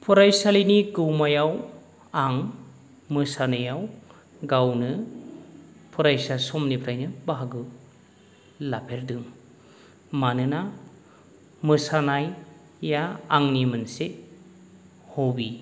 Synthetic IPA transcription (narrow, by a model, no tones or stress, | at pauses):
pʰuɾajsalinikɯwmajaw | aŋ | mɯsanɯjaw | ɡawnɯ | pʰuɾajsasɔmnipʰɾajnɯbaɦaɡɯ | lapʰeɾdɯŋ | manɯna | mɯsanajː | aːŋnimɯnse | hobi